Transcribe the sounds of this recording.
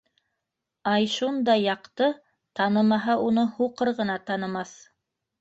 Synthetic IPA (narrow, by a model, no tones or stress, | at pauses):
ɑjʃund̪ɑjːɑqt̪ɤ | t̪ɑnɤmɑɦɑunɤhuqɤɾʁɤ̆nɑt̪ɑnɤ̆mɑθ